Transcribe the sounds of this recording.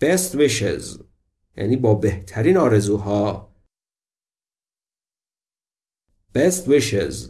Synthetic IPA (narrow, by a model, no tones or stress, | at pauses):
b̥est̪wiʃḛz | jæ̰niːbɒːbeht̪ʰæɾiːnɒːɾe̞zuːɦɒː | b̥est̪wiʃḛz